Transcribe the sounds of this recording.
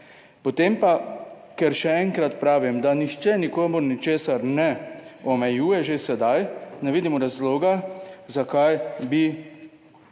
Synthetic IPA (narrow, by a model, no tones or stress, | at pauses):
pɔt̪eːmpa | kɛɾʃɛɛŋkɾat̪pɾaːʋimd̪anixt͡ʃɛnikoːmuɾnit͡ʃeːsaɾnɛɔmɛjuːjɛʒesɛd̪ajnɛʋiːd̪imɔɾazloːɡazakajbi